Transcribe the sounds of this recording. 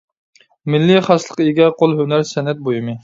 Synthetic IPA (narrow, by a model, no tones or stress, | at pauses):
mɪlːiχɑslˠə̥qeɡʲɛqʰolˠɦønæɾsɛnɛt̪̚bojɨmɨ